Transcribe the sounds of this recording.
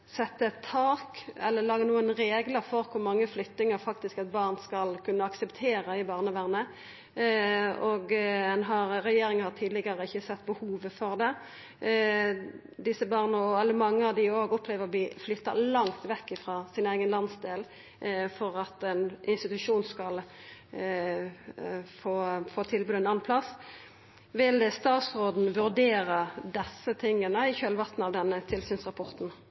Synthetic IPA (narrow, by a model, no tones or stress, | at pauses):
sɛt̪ːəɛt̪ʰːɑːkɛlːəlɑːɡənuːənɾeːɡləfɔɾkʰʊɾmɑŋːəflʏt̪nɪŋəɾfɑk̚t̪ɪskɛt̪̚bɑːʁnskɑlkʰʉnːəɑksəpt̪ʰeːɾəɪbɑːʁnəʋæːʁnə | ɔɡɛnɦɑɾʁɛjeːɾɪŋənhɑʁt̪ʰiːd̪lɪɡəɾəɪçːəsɛt̪ːbəhuːʋəfɔʁd̪ɛ | d̪ɪsəbɑːʁnəɔɛlːəɾmɑŋːəɑʋd̪ɪoːɡɔpʰleːʋəʁɔb̪iːflʏt̪ːɑ̰lɑŋt̪ʋɛkːɪfʁɑːsɪnæɪɡənlɑnsd̪eːl | fɔʁɑt̪ɛnʔɪnst̪ɪt̪ʉʂuːnskɑl | foːfoːt̪ʰɪlbʉːd̪ɛnɑnpʰlɑs | ʋɪlst̪ɑːt̪sʁoːd̪n̩ʋʉʁd̪eːʁəd̪ɛsːət̪ʰɪŋːənəɪçøːlʋɑʁt̪n̩ɑʋd̪ɛnːət̪ʰɪlsyːnsʁɑpʰɔʁt̪n̩